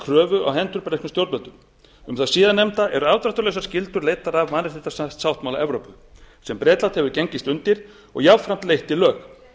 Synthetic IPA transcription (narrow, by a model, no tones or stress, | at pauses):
kʰɾœːvʏʔa̰wɦɛnt̪ʏɾpɾɛkmʏmst̪jowɾt̪mɛlt̪ʏm | ʏmθaðsiːðanːɛmt̪aɛɾʏavt̪ɾaht̪ʏɾlejsaɾ̥scɪlt̪ʏɾlejt̪aɾavmaːnɛ̥θɪt̪assawht̪mawlaʔɛvɾowpʏ | sɛmpɾɛːt̪lat̪hɛvʏɾceɲcɪst̪ʏnt̪ɪɾ̥ | ɔ̰ɣjavfɾam̥t̪lejht̪ilœːx